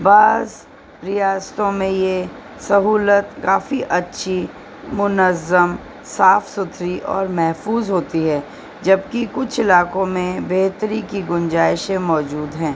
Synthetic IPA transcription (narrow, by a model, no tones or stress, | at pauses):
baːz | ɾijaːst̪õmẽje | sɐɦuːlət̪kaːfiʔɐtːʃʰi | mʊnəzːəm | saːfsʊt̪ʰɾiʔɔ̰ːɾmɛɦfuːzɦoːt̪iɦɛː | d͡ʒɐb̚kikʊt͡ʃʰɪlaːkõmẽbeːt̪ɾikiɡʊnd͡ʒaːɪʃẽmɔːd͡ʒuːd̪ɦɛ̃ː